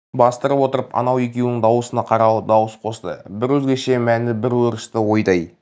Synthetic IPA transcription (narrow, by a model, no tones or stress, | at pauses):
bɑst̪əɾəpwo̞t̪əɾəpɑ̰nɑwekʲewnɪŋd̪ɑwəsənɑqʰɑɾɑwd̪ɑwəsqʰo̞st̪ə̰bɪɾwɵzɡʲe̞ʃe̞mænɪbɪɾwɵɾəst̪əwo̞jd̪ɑj